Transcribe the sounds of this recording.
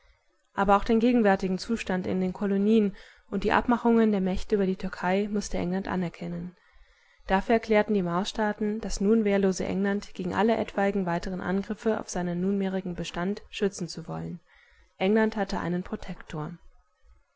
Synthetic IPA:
ʔaːbɐaʊxd̥eːnɡeːɡŋ̩vɛɐtɪɡŋ̩t͡suːʃtantɪ̰ndeːnkʰoloniːən | ʔʊnt̚d̥iːʔa̰pmaχʊŋəndeːɐmɛçtəyːbɐdiːtʰʏɐkʰaɪmʊstəʔɛ̰ŋlantʔa̰nɛɐkʰɛnən | d̥afyːɐɛɐkʰl̥ɛːɐtn̩diːmaʊsʃtaːtn̩d̥asnuːnveːɐloːzə̰ʔɛ̰ŋlantɡ̥eːɡŋ̩ʔa̰ləʔɛ̰tv̥aɪɡŋ̩vaɪtəʁ̞ənʔa̰nɡʁɪfəa̰ʊfz̥aɪnənːuːnmeːʁɪɡŋ̩bəʃtantʃʏt͡sn̩t͡suvɔ̰lən | ʔɛŋlanthatəʔa̰ɪnənpʁ̥otʰɛktʰoːɐ

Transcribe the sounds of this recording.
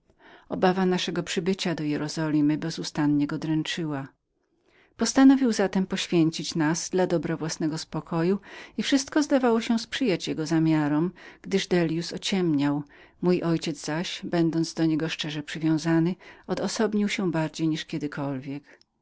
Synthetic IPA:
ɔbavanaʂɛɡɔpʂɘbɘt͡ɕad̪ɔjɛɾɔzɔlʲimɘbɛzust̪anɲɛɡɔd̪ɾɛnt͡ʂɘwa | pɔst̪anɔvʲiwzat̪ɛmpɔɕfʲjɛɲt͡ɕit͡ɕnazd̪lad̪ɔbɾɔvwasnɛɡɔspɔkʰɔjuifʂɘst̪kɔzd̪avawɔɕɛspʂɘjat͡ɕjɛɡɔzamʲjaɾɔmɡ̥d̪ɘʐd̪ɛlʲjusɔt͡ɕɛmɲaw | mujʔɔjt͡ɕɛd̪zz̥aɕbɛnd̪ɔnd̪zd̪ɔɲɛɡɔʂt͡ʂɛʐɛpʂɘvʲjɔ̃w̃zanɘɔd̪ɔsɔbɲiwɕɛbaɾd͡ʑejɲiʂkʲjɛd̪ɘkʰɔlvʲjɛk

